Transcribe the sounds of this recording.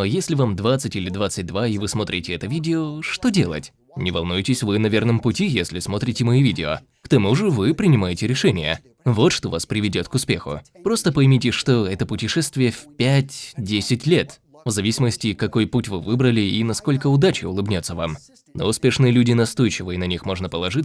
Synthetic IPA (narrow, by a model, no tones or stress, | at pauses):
ojesʲlʲɪvamd̪vat̪sɨtʲilʲɪd̪vat̪sɨt̚ʲd̪vaivɨsmo̞t̪ɾʲɪtʲɪɛt̪əvʲidʲɪoʂt̪o̞dʲe̞̰lˠə̰tʲ | nʲɪvɐlˠnujɪtʲɪsʲvɨnɐvʲe̞rnəmpʊtʲijesʲlʲɪsmo̞t̪ɾʲɪtʲɪmɐivʲidʲɪo̰ | kt̪ɐmuʐɨvɨpɾʲɪnʲɪmajɪtʲɪɾʲɪʂɛnʲɪjə̰ | vo̞t̪ʂt̪o̞vaspɾʲɪvʲɪdʲo̞t̪kʊspʲe̞̰xʊ̰pɾo̞st̪əpɐjmʲitʲɪʂt̪oɛt̪əpʊtʲɪʂɛst̪vʲɪjəfʲpʲætʲdʲesʲɪtʲlʲet̪ | vzɐvʲisʲɪməsʲtʲɪkɐko̞jputʲvɨvɨbɾəlʲɪinɐsko̞lʲkəʊd̪at͡ɕɪʊlˠɨbnʲo̞t̪səvam | no̰ʊspʲe̞ʂnɨjəlʲudʲɪnɐst̪o̞jt͡ɕɪvɨjənɐnʲixmo̞ʐnəpəlˠɐʐɨ